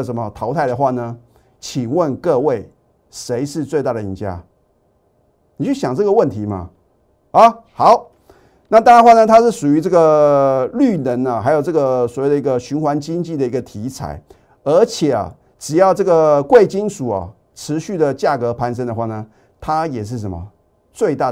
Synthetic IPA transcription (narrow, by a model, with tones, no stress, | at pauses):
ʂə˧˥nmə˧t̪ʰɑ˧˥ʊt̪ʰa˥˩ɪd̪ə˩xwa˥˩nə˩ | t͡ɕʰi˨˩wə˥˧nkɤ˥˧we˥˩ɪ | ʂe˧˥ɪʂɻ̩˥˧t͡swe˥˧ɪt̪a˥˩ɾə˩i˧˥nt͡ɕja̰˥ | ni˨˩t͡ɕʰy˥˩ɕjɑ˨˩ŋʈ͡ʂɤ˥˩ɡə˩wə˥˩nt̪ʰi˧˥ma̰˧ | ɐ˧˦xɑ˨˦ʊ | na˥˩t̪a˥˩ɻnxwa˥˩nə˨t̪ʰa˥ʂɻ̩˥˩ʂu˨˩y˧˥ʈ͡ʂɤ˥˩ɡə˩ly˥˩nə˧˥nɐ˨xa˧˥ɪjo˨˩ʈ͡ʂɤ˥˩ɡə˩swɔ˨˩we˥˩ɪd̪ə˩i˧˥ɡə˧ɕy˧˥nxwa˧˥nt͡ɕi˥ŋt͡ɕi˥˩d̪ə˩i˧˥ɡə˧t̪ʰi˧˥t͡sʰa̰˨˩˦ɪ | ə˞˧˥t͡ɕʰjɛ˨˩ɐ̰˩ | ʈ͡ʂɻ̩˨˩jɑ˥˧ʊʈ͡ʂɤ˥˩ɡə˩kwe˥˩ɪt͡ɕi˥nʂu˨˩ɐ̰˨˩ | ʈ͡ʂʰɻ̩˧˥ɕy˥˩d̪ə˩t͡ɕja˥˩kɤ˧˥pʰa˧˥nsʂə˥nd̪ə˨xwa˥˩nə˩ | t̪ʰa˥jɛ˨˩ʂ̬ɻ̩˥˩ʂ̬ə˧˦˥nmɐ̰˧ | t͡swe˥˧ɪt̪a˥˩